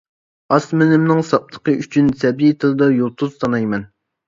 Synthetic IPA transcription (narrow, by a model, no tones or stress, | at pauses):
ɑsmɪnɪmnɨŋsɑp̚t̪ʰə̥qəʔyt͡ʃʰynsɛbit̪ʰɨlˠɨd̪ɑjolˠt̪ʰuz̥t̪ʰɑnɑjmɛn